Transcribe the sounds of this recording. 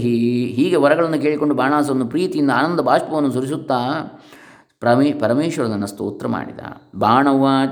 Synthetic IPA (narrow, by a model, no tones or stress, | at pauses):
ɦiɦiːɡe̞ʋɐɾɐɡɐɭɐnːuke̞ːɭiko̞ɳɖubʱaːɳaːs̬ɐʋɐnːupɾiːt̪ijind̪ɐaːnɐnd̪ɐbʱaːʂpɐʋɐnːus̬uɾisut̪ːaː | pɐmepɐɾɐmeːʃʋɐɾɐnɐnːɐst̪o̰ːt̪ːɾɐma̰ːɽid̪a̰ːbʱaːɳɐʋaː